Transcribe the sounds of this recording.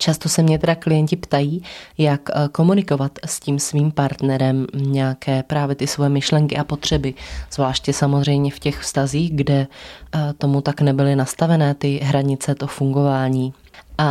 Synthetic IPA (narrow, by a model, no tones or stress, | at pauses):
t͡ʃast̪o̞sɛmɲɛt̪ɛdaklɪjɛɲcɪpt̪ajiːjakkːo̞munɪko̞vat̪sciːmsviːmpaɾt̪nɛɾɛmɲɛjakɛːpɾaːvjɛt̪ɪsvojɛmɪʃlɛŋkɪʔapo̞t̪r̝̥ɛbɪz̥vlaːʃcɛsamo̞zr̝ɛjmɲɛfcɛxfst̪aziːɣɡdɛ | t̪o̞mut̪aknɛbɪlɪnast̪avɛnɛːt̪ɪɦɾaɲɪt͡sɛt̪ofuŋɡo̞vaːɲiː | ʔa